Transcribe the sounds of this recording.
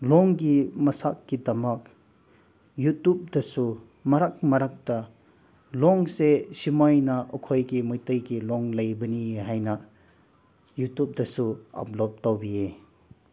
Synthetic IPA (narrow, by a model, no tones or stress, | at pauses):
lɔŋɡimɐsakːidɐmɐk̚ | jutup̚dɐsu | mɐɾak̚mɐɾak̚dɐ | lɔŋsesimajnɐʔɔkʰojɡimɯjtɯjɡilɔŋlɐjbɐniɦajnɐ | jutup̚dɐsua̰plɔp̚tawbie